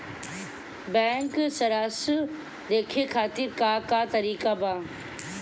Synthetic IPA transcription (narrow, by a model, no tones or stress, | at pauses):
bɛ̃ːŋksɐɾaːs | d̪eːkʰekʰaːt̪ɪɾkaːkat̪ɐɾiːkabaː